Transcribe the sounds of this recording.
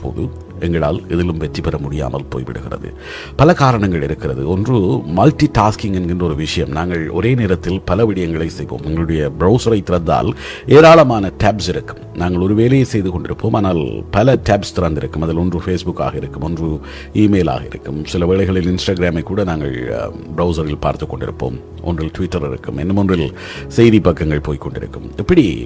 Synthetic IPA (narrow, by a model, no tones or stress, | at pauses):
pʰːo̰ːðɯ | ɛŋɡɐɭa̰ːlɛðɪlɯmʋɛʈripɐɾɐmʊɽɪja̰ːmɐ̰lpo̰ːjʋɪ̰ɽɯ̰ɣɪ̰rɐ̰ðɯ̰ | pɐlɐkaːɾɐɳɐŋɡɐɭɪɾɯkːɪrɐðɯ̰ɔndrɯmɐlʈiʈaːskɪŋɡɛnɡɪndrɐɔɾɯʋɪʂɐjɐmnaːŋɡɐɭɔ̰ɾeːneːɾɐt̪ːɪlpɐlɐʋɪɽɪjɐŋɡɐɭɐɪsɛjʋo̰ːmɛŋɡɐɭʊɽɐjɐbɪɾɐʊsɐɾɐɪt̪ːɪɾɐnd̪a̰ːl | eːɾaːɭɐmaːnɐʈɛːpsɪɾɯkːɯmnaːŋɡɐɭɔɾɯʋeːlɐjesɛjðɯkɔɳɖɪɾɯpːoːmaːnaːlpɐlɐʈaːpst̪ɪɾɐnd̪ɪɾɯkːɯmɐðɪlɔndrɯfeːsbʊkːa̰ːɣɐɪɾɯkːɯmɔndrɯ | iːmeːla̰ːɣɐɪ̰ɾɯ̰kːɯmsɪlɐʋeːɭɐɪɣɐɭɪlɪnsʈaːɡɪɾaːmɐɪkːuːɽɐnaːŋɡɐ̰ɭ | bɾɐʊs̬ɐɾɪlpa̰ːɾt̪ɯkːɔɳɖɪ̰ɾɯ̰pːo̰ːm | ʔɔ̰ndrɪlʈʊʋɪʈːɐɾɪ̰ɾɯ̰kːɯmɛ̰nːɐmɔndrɪl | sɛjðipɐkːɐŋɡɐɭpoːjkːɔɳɖɪ̰ɾɯ̰kːɯmɛpːɐɽḭ